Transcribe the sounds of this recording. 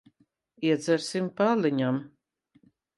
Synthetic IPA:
iɛd̪zɛɾsimpaliɲam

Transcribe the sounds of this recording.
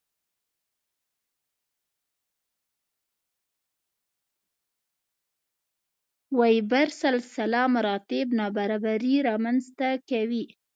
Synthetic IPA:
wajibaɾsalsalɑmaɾɑt̪ɪbnɑbaɾɑbaɾiɾɑmanzt̪akawi

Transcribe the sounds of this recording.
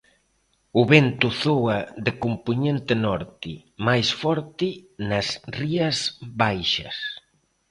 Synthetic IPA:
ʊβent̪ʊθoɐðɪkompuɲent̪ɪnɔɾt̪ɪ | majsfɔɾt̪ɪnɐsriɐzβajʃɐ̰s

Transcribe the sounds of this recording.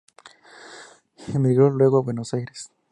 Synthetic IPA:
xemiɣɾolwe̞ɣoaβwe̞nosajɾes

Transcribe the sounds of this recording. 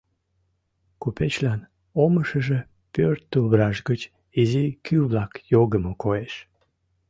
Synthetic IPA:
kupet͡ɕlɑn | oməʃəʒə | pørt̪ːubrɑʒɡət͡ɕ | izikyβlɑkjoɣəmokoeʃ

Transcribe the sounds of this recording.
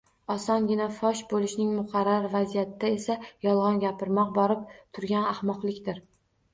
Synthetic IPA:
ɒsɒnɡʲɪnafɒʃbolˠɪʃnɪŋmʊqʰɑɾːaɾvazijat̪ʰɪd̪ae̞sajɒlˠʁɒnɡʲapɪɾmɒq̚bɒɾɪp̚t̪ʰʊɾɡʲanahmɒqlˠɪkʲt̪ɪɾ

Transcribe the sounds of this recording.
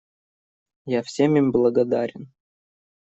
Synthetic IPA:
jafsʲemʲimʲblˠəɡɐd̪aɾʲɪn

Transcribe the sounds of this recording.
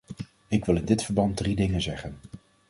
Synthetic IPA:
ɪkʋɪlˠɪndɪtfəɹbɑn̚dridɪŋənzɛχən

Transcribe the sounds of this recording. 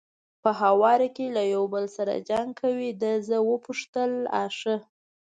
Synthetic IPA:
pəɦawɑɾakelajawbəlsaɾa̰d͡ʒaŋɡ̚kʰawid̪əzəwəpuʂt̪əla̰ʂə

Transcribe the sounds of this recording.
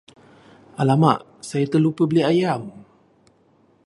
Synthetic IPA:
alama̰ʔ | sajət̪əlupəbəliajaw

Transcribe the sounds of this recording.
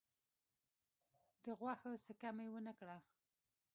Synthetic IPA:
x | od̪əɣwaxəsəkamajwənəkɽa

